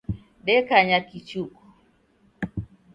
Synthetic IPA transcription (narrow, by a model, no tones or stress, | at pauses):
ɗɛkaɲakit͡ʃukɔ̥